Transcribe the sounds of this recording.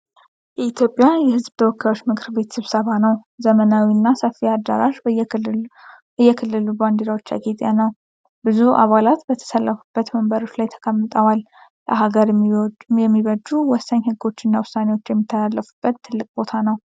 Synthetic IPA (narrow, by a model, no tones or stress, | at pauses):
jɛit̪ʰjo̞pʼjajɛhɨzbt̪ʰəwɔkːajo̞t͡ʃːmɨkʰɨɾbe̞t̪sɨβsəβanəwzəmənawiɨnːasəfːiad̪ːa̰ɾaʒ | ɨjːɛkʰɨlːɨluband̪eɾawo̞t͡ʃːa̰ɡet̪ʼja̰nəw | bɨzuʔa̰βalat̪bət̪ʰə̥səlːəfu̥bːət̪məmbəɾo̞t͡ʃːlajt̪ʰə̥kʰəmːɨt̪ʼəwal | ləɦaɡəɾjɛmːiβəd͡ʒuwɔsːəɲhɨɡːo̞t͡ʃːɪnːawʊsːanewo̞t͡ʃːjɛmːit̪ʰːəlalːəfu̥b̥ːət̪ʰːɨlːɨkʼbo̞t̪ʰanəw